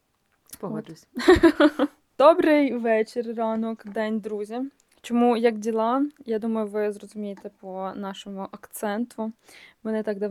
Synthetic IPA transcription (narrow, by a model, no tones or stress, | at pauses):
pɔ | d̪̥ɔbɾɪjʋɛt͡ʃɪrrɑnɔkd̪ɛnʲd̪ɾuzʲi | t͡ʃɔmujɐkdʲilˠɑjad̪umɐjʊʋɪzɾɔzʊmʲijet̪ɛpɔnɑʃɔmʊʔɐkt̪sɛnt̪ʊmɛnɪt̪ɑɡd̪ɐ